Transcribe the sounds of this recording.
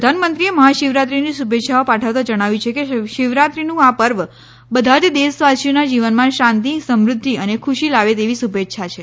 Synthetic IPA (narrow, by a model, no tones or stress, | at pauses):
d̪ʱanmənt̪ɾieməɦaʃiʋɾat̪ɾinisubʱet̪ːʃʰaopaʈʰəʋt̪ad͡ʒəɽ̃aʋjit͡ʃʰekeʃɪʋɾat̪ɾinũapəɾʋ | bəd̪ʱat̪d̪esʋasijonad͡ʒiʋənmãʃãnt̪isəmɾʊd̪ʱːiənekʰuʃilaʋet̪eʋisubʱet̪ːʃʰat͡ʃʰe